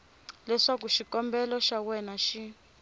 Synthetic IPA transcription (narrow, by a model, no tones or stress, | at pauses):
lɛʂakuʃikɔmbɛlɔʃawɛnaʃi